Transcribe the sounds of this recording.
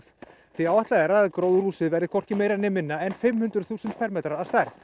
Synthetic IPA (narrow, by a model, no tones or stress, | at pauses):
θviawɛht̪laðɛɾaaðkɾowðruːsɪðvɛɾɪkʰɔr̥cɪmeːjɾanɪmɪnːaɛnfɪmhʏnt̪ɾʏ̥θuːsʏnt̪̚pʰɛɾmɛːt̪ɾaɾaðst̪ajɾθ